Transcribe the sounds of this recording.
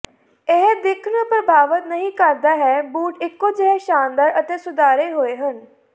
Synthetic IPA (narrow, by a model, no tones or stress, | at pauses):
eɦd̪ɪkʰnəpɾəbʱaːʋət̪nəɦĩːkəɾd̪aːɦɛːbuːʈɪkːoːd͡ʒeɦɛːʃaːnd̪əɾət̪eːsʊd̪aːɾeːɦoːeːɦən